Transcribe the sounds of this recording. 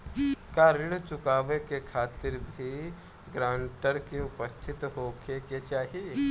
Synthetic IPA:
kaːɾɪɽt͡ʃʊkaːʋekekʰaːt̪ɪɾbʱi | ɡɾãːɳʈəɾkeʊpəst̪ʰɪt̪ɦokeket͡ʃaːɦi

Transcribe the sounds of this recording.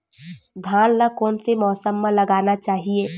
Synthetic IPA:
d̪ʱãːnlakɔːnsemɔːsəmːẽlɐɡaːnat͡ʃaːɦieː

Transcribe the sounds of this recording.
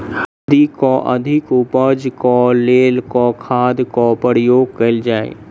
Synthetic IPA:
h | d̪ikɔʔəd̪ʱɪkʊpəd͡ʒkɔleːlkɔkʰaːd̪kɔpəɾjoːɡ̚kəɪld͡ʒaːḛ

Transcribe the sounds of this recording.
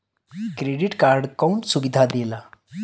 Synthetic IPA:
kɾeɖiʈkaɾɖkɔwɳsubid̪ʱad̪ela

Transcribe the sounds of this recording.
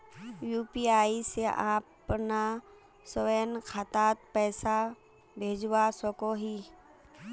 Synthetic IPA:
juːpiaːiseʔaːpna | soʋeːnkʰat̪aːt̪̚pɛːsa | bʱeːd͡ʒwasokoɦi

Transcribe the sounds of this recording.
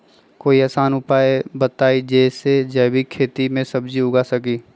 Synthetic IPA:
koːiaːsaːnʊpaːebət̪aːid͡ʒɛːsed͡ʒɛːbikʰeːt̪imẽsɐbd͡ʒiʊɡasɐkiː

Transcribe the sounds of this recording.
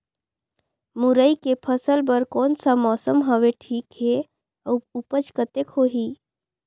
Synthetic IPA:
muɾəikepʰəsəlbəɾkɔːnsamɔːsəmɦəʋeʈʰiːkɦe | əupət͡ʃkət̪ekɦoɦiː

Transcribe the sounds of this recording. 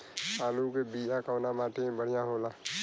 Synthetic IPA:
aːlukebiakawnamaːʈebəɽijãɦola

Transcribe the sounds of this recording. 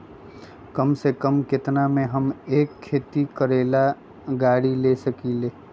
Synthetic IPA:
kəmsekəmkɪt̪namẽɦɐmeːkʰːeːt̪ikəɾeːla | ɡaːɽilesəkiːleː

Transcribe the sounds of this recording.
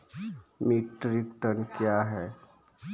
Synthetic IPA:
miʈɾikʈənkjaɦɛː

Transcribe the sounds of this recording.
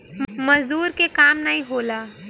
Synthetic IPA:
mɐzd̪uːɾkekaːmnaɦĩɦoːlaː

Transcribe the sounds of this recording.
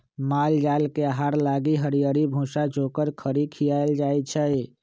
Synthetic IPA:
mald͡ʒalkeaɦaɾlaɡiɦəɾijəɾibʱũsad͡ʒokəɾkʰəɾikʰijajld͡ʒajt͡ʃʰəj

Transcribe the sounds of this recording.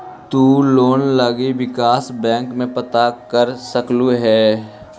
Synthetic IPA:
t̪uːloːnləɡiʋɪkaːsbɛ̃ːŋkmẽpɐt̪akəɾsəkluɦɛː

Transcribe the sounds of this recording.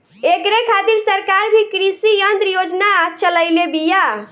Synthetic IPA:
ekɾekʰat̪iɾsəɾkaɾbʱikɾisijənt̪ɾəjod͡ʒnat͡ʃələɪlebija

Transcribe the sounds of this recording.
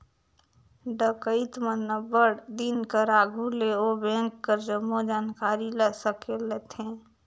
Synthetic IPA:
ɖəkəɪt̪mənːəbəɽd̪inkəɾaɡʱuleobɛ̃ːŋkːəɾd͡ʒəmod͡ʒaːnkaːɾiləsəkelet̪ʰẽː

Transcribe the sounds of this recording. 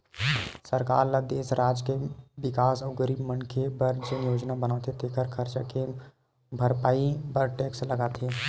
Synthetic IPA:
səɾkaːɾlad̪eːsɾaːd͡ʒkeʋɪkaːsəwɡəɾiːbmənkʰebɐɾd͡ʒənjoːd͡ʒnabənaːt̪ʰet̪ʰekʰəɾkʰəɾt͡ʃake | bʱɐɾpaːibəɾʈeːkslɐɡaːt̪ʰe

